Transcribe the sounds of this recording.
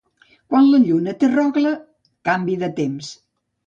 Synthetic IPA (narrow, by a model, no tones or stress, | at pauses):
kwanləʎunət̪erɔɣlə | kambiðət̪ems